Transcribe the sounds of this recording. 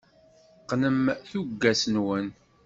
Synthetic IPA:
qnəmθuɡːæsənwən

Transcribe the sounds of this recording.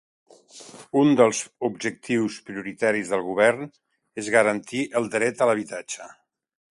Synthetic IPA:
und̪əlˠzubʒək̚t̪iwspɾiuɾit̪aɾizðəlˠɣuβɛrn | ezɣəɾənt̪iʔəlˠd̪ɾɛt̪ələβ̞it̪at͡ʃə

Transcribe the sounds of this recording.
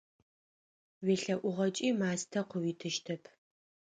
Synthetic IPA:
weɬɐʔʷʊʁɐt͡ʃʼiːmaːstʰɐqʷəwiːtʰɨʃtʰɐpʰ

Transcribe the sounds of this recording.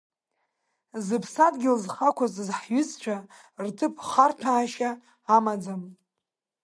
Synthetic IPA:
zɨpʰsadɡʲɪlzχakʷʰazzħɥʏzt͡ʃʷʰa | rtʰɨpʰχartʰaːʃaː | mad͡zam

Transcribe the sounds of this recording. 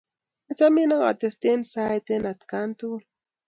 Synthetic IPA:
at͡saminaŋa̰t̪est̪ensajt̪enat̪kant̪ul

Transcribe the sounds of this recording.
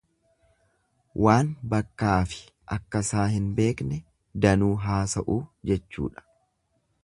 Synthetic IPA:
wʔaːnbɐkːaːfɪ̥ | ʔɐkːɐsaːhɪnbe̞ːknɛ | d̪ɐnuːɦaːsɐ̰ʔuːd͡ʒɛt͡ʃːṵːᶑɐ̥

